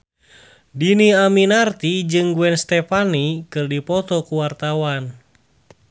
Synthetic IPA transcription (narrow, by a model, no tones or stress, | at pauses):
diniaminart̪id͡ʒɨŋɡuɛnst̪ɛpanikɨrdipɔt̪ɔkuwart̪awan